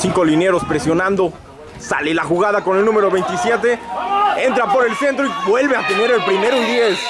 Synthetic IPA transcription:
siŋko̞line̞ɾo̞spɾe̞sjo̞nãnd̪o̞ | sa̰lelaxuɣað̞ako̞nelnũme̞ɾo̞βejnt̪isje̞t̪e̞e̞nt̪ɾapo̞ɾe̞lse̞nt̪ɾoibwe̞lβe̞at̪e̞ne̞ɾelpɾime̞ɾound̪jes

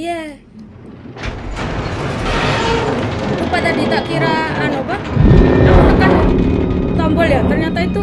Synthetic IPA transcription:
ja | upad̪adit̪akiɾaːnobananakan | t̪ɔmbɔljat̪ərɲat̪ait̪u

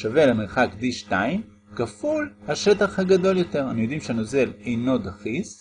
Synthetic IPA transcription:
ʃave̞lame̞ʁχakd̪iʃtaim | kafulhaʃe̞t̪aχhaɡad̪o̞ljo̞t̪e̞ʁanijod̪imʃeano̞ze̞lejno̞d̪aχis

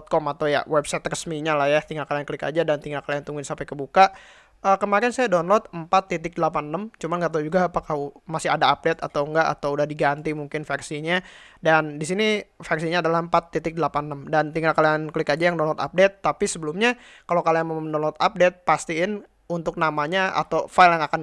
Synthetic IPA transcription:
ɔt̪̚kɔmat̪awja̰wɛbsat̪rəsmiɲalahjaht̪iŋɡakalankəlɪka̰d͡ʒadant̪iŋɡakalijaŋt̪uŋɡɪnsampɛkəbukaʔ | ʔəkəmaɾɛnsajadɔnlɔt̪əmpat̪ːit̪ɪk̚dəlapanːəmt͡ʃumanɡaʔt̪aud͡ʒuɡaːpakahmasɪɦadaap̚det̪at̪awŋɡaʔa̰t̪awudahdiɡant̪imuŋkɪnfɛrsiɲadandis̬inifɛrsiɲaːdalahəmpat̪ːit̪ɪk̚dəlapanːəmdant̪iŋɡakaliankəlɪkad͡ʒajaŋdɔnlɔt̪a̰p̚dɛt̪ːapisəbəlumɲa | kalowkalajaŋməmdɔnlɔt̪ap̚dɛt̪̚past̪iɪn | unt̪ʊk̚namaɲaa̰t̪awfaɪljaŋakan

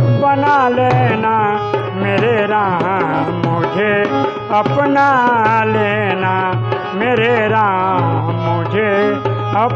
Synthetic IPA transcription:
bənalena | meɾeɾa | mod͡ʒʱe | əpnalena | meɾeɾa | mod͡ʒʱe | ə

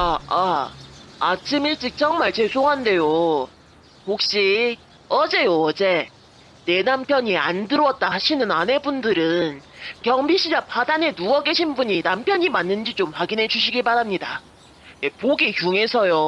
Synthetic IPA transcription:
aa | at͡ɕʰimiɭt͡ɕ͈ik̚t͡ɕ͈ʌŋmaɭt͡ɕe̞sʰoŋɦande̞jo | hok̚ɕ͈i | ʌd͡ʑe̞joʌd͡ʑe̞ | ne̞nampʰjʌɲiandɯɾwʌt̚t͈ahaɕʰinɯnane̞bundɯɾɯnkjʌŋbiɕʰid͡ʑapadane̞nuʌɡeɕʰinbuɲinampʰjʌɲimanːɯnd͡ʑit͡ɕomɸwaɡinɦe̞d͡ʑuɕʰiɡiɭpaɾamɲida | jepoɡikjuŋe̞sʰʌjo

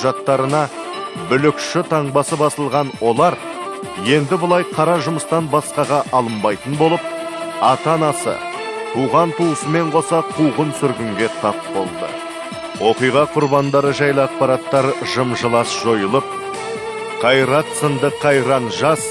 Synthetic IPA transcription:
ʒɑt̪ːɑɾənɑ | bʏlɪkʃɪt̪ʰɑɴbɑsəbɑsəlˠʁɑnwo̞lˠɑɾ | je̞nd̪ɪbʊlˠɑjqʰɑɾɑʒʊməst̪ɑnbɑsqɑʁɑʔɑlˠəmbɑjt̪ənbo̞lˠəp̚ɑt̪ɑnɑsə̰ | t̪ʰuʁɑnt̪ʰuəsəme̞ɴqʰo̞sɑqʰuʁənsʏɾɡʲɪŋɡʲe̞t̪ʰɑp̚bo̞̰lˠd̪ə̰ | wʔo̞qijʁɑqʰʊɾbɑnd̪ɑɾəʒɑjlˠəɑq̚pɑɾɑt̪ːɑɾʒəmʒəlˠɑsʒ̥o̞jəlˠəp̚ | qʰɑjɾɑt̪sənd̪əqʰːɑjɾɑnʒɑs

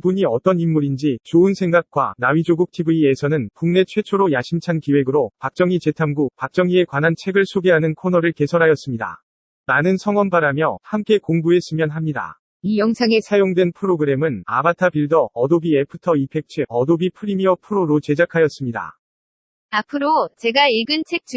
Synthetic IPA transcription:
buɲiʌt͈ʌnimːuɾind͡ʑit͡ɕoɯnsʰe̞ŋɡak̚k͈wa̰nawɥid͡ʑoɡuk̚tʰibuiesʰʌnɯnpuŋne̞t͡ɕʰwe̞t͡ɕʰoɾojaɕʰimt͡ɕʰankiwe̞ɡɯɾopak̚t͡ɕ͈ʌŋit͡ɕe̞tʰamɡupak̚t͡ɕ͈ʌŋie̞kwanant͡ɕʰe̞ɡɯɭsʰoɡe̞ɦanɯnkʰonʌɾɯɭke̞sʰʌɾɦajʌs͈ɯmɲida̰ | manɯnsʰʌŋwʌnpaɾamjʌhamk͈e̞koŋbue̞s͈ɯmjʌnɦamɲida̰ | ijʌŋsʰaŋesʰajoŋdwe̞npʰɯɾoɡɯɾe̞mɯna̰batʰabiɭdʌːdobiepʰɯtʰʌipʰe̞k̚t͡ɕʰiʌdobipʰɯɾimiʌpʰɯɾoɾot͡ɕe̞d͡ʑakʰajʌs͈ɯmɲida̰ | apʰɯɾot͡ɕe̞ɡaiɭɡɯnt͡ɕʰe̞k̚t͡ɕ

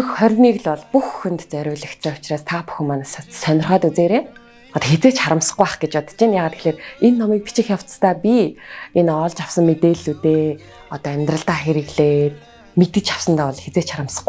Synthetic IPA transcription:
xχœrʲniːɣɮɔɮpuxxɵ̆nt̪t͡sœɾʲʊːɮə̆kt͡sʰeːʊ̥t͡ɕraːst̪ʰapu̥xɘ̆mːanassœnʲɪ̆rχœːt̪ut͡seːɾeː | ɔt̪ɔxet͡seːkt͡ɕχaɾə̆msə̥̆χɡʊaχɡet͡ɕɔt̪t͡ɕinjaːʁaːt̪e̥xɮeːrenːɔmiːk̚pit͡ɕɪ̆xʲjaw̥t͡st̪ʰaːpʲienɔːɮt͡ɕawsə̆mmet̪eːɮut̪eː | ɔt̪ɔæmʲt̪rə̆ɮt̪aːxeɾɘ̆ɣɮeːt̪̚ | met̪ɘ̆t͡ɕʰaw̥sə̆nt̪aːɔɮxet͡seːkt͡ɕχaɾə̆msə̥̆χ

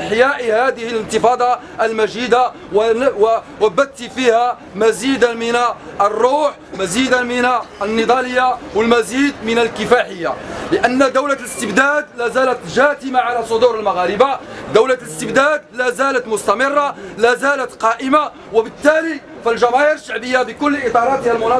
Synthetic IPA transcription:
ħjæʔhæd̪əhələnt̪əfɑːd̪ˤɑ | ʔəlmæʒid̪a | wwwæbæt̪̚t̪ifihæ | mæzid̪mənʔrˤːuːħmæzid̪amənaənːəd̪ˤɑləjːawəlmæziːd̪mənəlkəfaħəjːa̰ləʔənːd̪əwlaləst̪əbd̪æd̪læzælət̪ʒæt̪əmaʕalæsˤod̪uɾəlmaɣæɾəbad̪əwlaləst̪əbd̪æːd̪læzælət̪mʊst̪æmɪrˤːɑlæzælət̪qɑʔəma | wəbət̪ːæli | fəlʒæmæhəɾəʃːaʕbəjːabəkʊlːʔɪt̪ˤɑɾˤɑt̪hælmʊnɑ

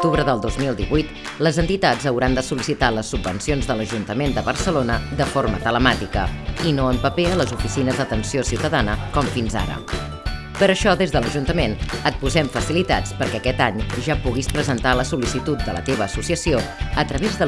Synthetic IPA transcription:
kt̪uβɾəðəlˠd̪ozmilˠd̪iβujt̪ | ləzənt̪it̪ad͡zəwɾand̪əsulisit̪aləsːubːənsionzðələʒunt̪əmend̪əβərsəlonəd̪əfoɾmət̪ələmat̪ikə̰inoəmpəpeələzufisinəzðət̪ənsiosiwt̪əðanəkɔmfinza̰ɾə̰ | pəɾəʃɔðezðələʒunt̪əmenət̪̚puzɛmfəsilit̪a̰t͡spəɾkɛəkɛt̪aɲʒapuɣispɾəzənt̪aləsulisit̪ut̪̚d̪ələ̰t̪eβəːsusiəsioət̪ɾəβezðə

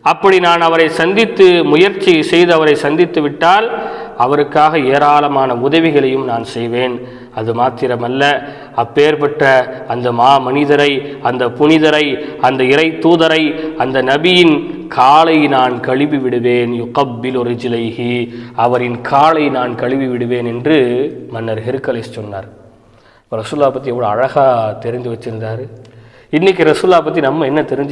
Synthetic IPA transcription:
ɐpːɐɽinaːnɐʋɐɾɐɪsɐnd̪ɪt̪ːɯmʊjɐɾt͡ʃːisɛjðɯɐʋɐɾɐɪsɐnd̪ɪt̪ːɯʋɪʈːaːlɐʋɐɾɯkːaːɣɐeːɾaːlɐmaːnɐʊðɐʋɪɣɐɭɐjɯmnaːnsɛjʋeːn | ɐðɯmaːt̪ɪɾɐmɐlːɐ | ɐpːeːɾpɐʈrɐɐnd̪ɐmaːmɐnɪðɐɾɐɪɐnd̪ɐpʊɳɪðɐɾɐɪɐnd̪ɐɪɾɐɪt̪ːuːðɐɾɐɪɐnd̪ɐnɐbɪjɪnkʰaːlɐɪnaːnkɐɻɪʋiʋɪɽɯʋeːnjʊqɐbːɪlɾɪd͡ʒlɐɪhiɐʋɐɾɪnkʰaːlɐɪnaːnkɐɻɪʋiʋɪɽɯʋeːnɛndrɯmɐnːɐɾɦɪɾɯkːɐlessɔnːa̰ːɾ | pːɐːɾɐsuːɯlːaːɐp̬ːɐt̪ːɾiɛʋːɐɭoɐɻɐɣaːt̪ɛɾɯɲd̪ɯʋɐt͡ʃːɯɾnɾaːɾɯ | ɪnːɪk̬ːɯɾɐsuːllːaːɐp̬ːɐt̪ːinɐmːɐɛnːɐt̪ɛɾɪɲd͡ʒ

